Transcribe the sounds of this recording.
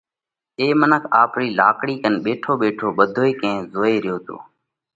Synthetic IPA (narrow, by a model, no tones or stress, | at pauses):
eːmənəkʰaːpɾiːlaːkɽiːkənɓeːʈʰoːɓeːʈʰoːɓəd̪ʱoːeːkẽːzoːeːɾɪjoːt̪o̰ː